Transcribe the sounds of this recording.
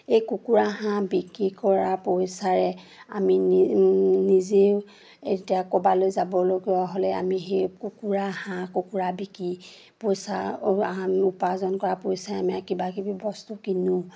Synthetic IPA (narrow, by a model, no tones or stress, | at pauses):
ejkukuɹaɦãbikikɔɹapojsaɹɛ | a̰mi | nize | etijakɔbalojzabɔloɡiaɦolɛa̰mixejkukuɹahãkukuɹabikɹi | pojsa | upazɔnkɔɹapojsaɛamiakibakibibɔstukinʊ̃